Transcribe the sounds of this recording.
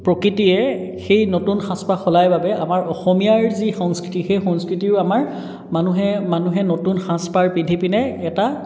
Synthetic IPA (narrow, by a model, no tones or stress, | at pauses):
pɹɔkitijɛ | xejnotunxãspaxɔlajbabɛʔamaɹʔɔxɔmijaɹzixɔŋskɹitixejxɔŋskɹitiɹamaɹ | manuɦɛmanuɦɛnotunxãspaɹpitʰipinɛːta